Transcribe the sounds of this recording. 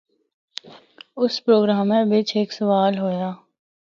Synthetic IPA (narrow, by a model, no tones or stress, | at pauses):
ʊspɾoːɡɾaːmːẽbɪt͡ʃʰeːksɐʋaːlɦoːjaː